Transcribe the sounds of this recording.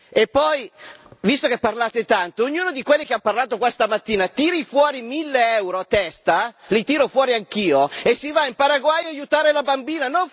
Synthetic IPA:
epːɔjvist̪okepːarlaːt̪et̪ant̪oːɲːuːnod̪ikwelːikeamparlaːt̪okwast̪amat̪ːiːnat̪iːɾifwɔːɾimilːeɛwɾoat̪ɛst̪alit̪iːɾofwɔːɾiaŋk̟iːoesːivaimpaɾaɡwajaːjut̪aːɾelabambiːnanoɱ

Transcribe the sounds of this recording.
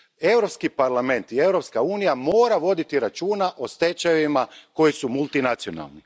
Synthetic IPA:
e̞wɾo̞pskipaɾlˠame̞nt̪ie̞wɾo̞pskauːnijamo̞ːɾaʋo̞d̪it̪iɾat͡ʃuːnaʔo̞st̪e̞t͡ʃaʋimako̞jisumulˠt̪inat̪sio̞na̰lˠni

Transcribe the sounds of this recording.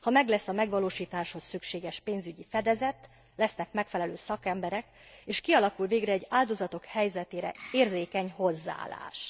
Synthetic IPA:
hɒmɛɡlɛsːɒmɛɡʋɒloːʃiːt̪aːʃho̞sːykʃeːɡɛʃpeːnzyɟifɛd̪ɛzɛt̪ | lɛsnɛkmɛkfɛlɛløːsɒkɛmbɛɾɛk | eːʃkiɒlɒkulveːɡrɛːɟːaːld̪o̞zɒt̪o̞khɛjzɛt̪eːɾɛ̰eːrzeːkɛɲho̞zːa̰ːla̰ːʃ

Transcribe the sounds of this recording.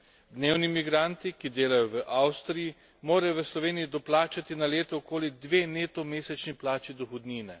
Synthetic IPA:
d̪neːwnimiɡɾant̪ikid̪eːlajɔʋəʔawst̪ɾiji | moːɾajɔʋəslɔʋeːnijid̪ɔplaːt͡ʃat̪inaleːt̪ɔokoːlid̪ʋeːneːt̪ɔmeːsɛt͡ʃniplaːt͡ʃid̪ɔxɔd̪niːnɛ

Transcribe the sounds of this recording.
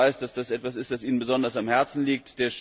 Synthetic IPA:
aɪstd̥asd̥asʔɛtv̥as̬ɪst̚d̥asʔiːnənbəzɔndɐsamhɛɐt͡sn̩liːk̚td̥eːɐʃ

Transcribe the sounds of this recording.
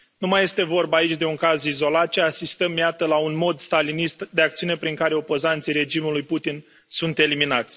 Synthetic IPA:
numaje̞st̪e̞vo̞rbait͡ʃʲd̪e̞uŋkazizo̞lat̪̚t͡ʃeasist̪əmjat̪əlaunmo̞d̪st̪alinist̪d̪e̞ak̚t̪siune̞pɾiŋkaɾe̞o̞po̞zant̪sijɾe̞d͡ʒimulujput̪in | sunt̪e̞liminat̪sʲ

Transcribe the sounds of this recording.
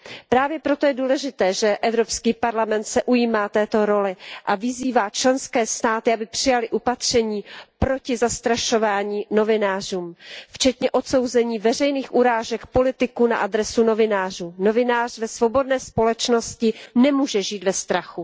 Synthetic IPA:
pɾaːvjɛpɾo̞t̪o̞jɛduːlɛʒɪt̪ɛːʒɛʔɛvɾopskiːpaɾlamɛnt̪sɛʔujiːmaːt̪ɛːt̪o̞ɾo̞lɪʔavɪziːvaːt͡ʃlɛnskɛːst̪aːt̪ɪʔabɪpr̥ɪjalɪʔupat̪r̝̥ɛɲiːpɾo̞cɪzast̪ɾaʃo̞vaːɲiːno̞vɪnaːr̝uːmft͡ʃɛt̪ɲɛʔo̞t̪so̞wzɛɲiːvɛr̝ɛjniːxʔuɾaːʒɛkpo̞lɪt̪ɪkuna̰ʔadɾɛsuno̞vɪnaːr̝uːno̞vɪnaːr̝̥vɛsvo̞bo̞dnɛːspo̞lɛt͡ʃno̞scɪnɛmuːʒɛʒiːt̪vɛst̪ɾaxu

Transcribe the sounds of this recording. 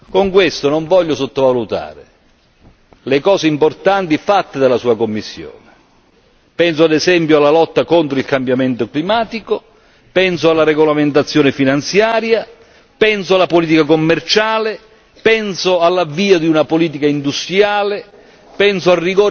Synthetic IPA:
koŋkwest̪onoɱvɔʎːʊsot̪ːovalut̪a̰ːɾɪ̰ | lekɔːseimport̪ant̪ifat̪ːed̪alasuːakomːisːjo̰ːne | pɛns̬ʊad̪ɛsɛmpjoalːalɔt̪ːakont̪ɾoilkambjament̪oklimaːt̪iko | pɛnsoalːaɾɛɡolament̪at̪sːjɔːnɪfinant̪sjaːɾja | pɛnsoalːapoliːt̪̬ikakomːɛrt͡ʃaːlɪ | pɛnsoalːavːiːad̪iunapoliːt̪̬ikaind̪ust̪ɾjaːlɪ | pɛnsoarːiɡɔː

